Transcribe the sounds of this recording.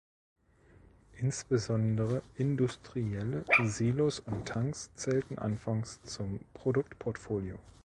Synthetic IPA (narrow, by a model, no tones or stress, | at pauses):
ʔɪnsb̥əzɔndəʁəʔɪndʊstʁ̥iɛləziːlosʊntʰːaŋst͡sɛːltn̩ʔa̰nfaŋst͡sʊmpʁ̥odʊk̚tpʰɔɐtfoːljoː